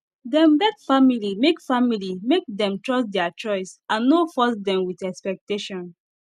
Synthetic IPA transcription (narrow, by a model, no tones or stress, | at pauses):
dɛ̃mbɛkfamilimekfamilimek̚dɛ̃mtɹɔsdɛt͡ʃɔɪsãnːofɔsdɛ̃mwiθɛkspɛk̚teʃɔ̃n